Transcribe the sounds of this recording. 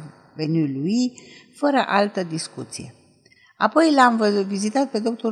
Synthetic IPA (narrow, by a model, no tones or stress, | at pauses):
venyluifəɾəʔalt̪əd̪iskut̪sije̞̰ | a̰po̞jlamvəvizit̪at̪̚pe̞d̪o̞pt̪u